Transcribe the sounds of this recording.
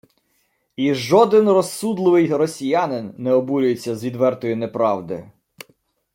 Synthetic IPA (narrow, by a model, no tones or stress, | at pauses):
iʒɔd̪ɪnrɔsud̪lˠɪʋɪjrɔsʲijanɪnːɛɔbuɾʲʊjet͡sʲːɐzʋʲid̪ʋɛrt̪ɔjʊnɛpɾɑwd̪ɪ̰